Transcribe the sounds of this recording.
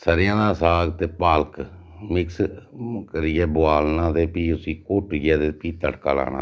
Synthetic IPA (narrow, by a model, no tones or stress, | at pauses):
səɾɪjãːd̪aːsaːɡt̪eːpaːlək | mɪkskəɾɪjɛːbʊaːlnãːt̪eːpiːʊsiːkoːʈijɛːt̪eːpiːt̪əʈka̰ːla̰ːna̰ː